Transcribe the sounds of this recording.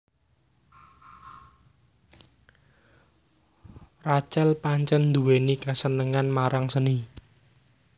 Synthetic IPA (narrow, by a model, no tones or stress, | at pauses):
rat͡ʃɛlpaɲt͡ʃənd̪uwenikasənəŋanmaɾaŋsəni